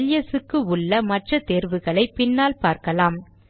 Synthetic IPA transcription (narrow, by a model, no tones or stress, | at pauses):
ljɐsɯkːɯʊɭːɐmɐʈrɐt̪eːɾʋɯɣɐɭɐɪpɪnːaːlpaːɾkɐlaːm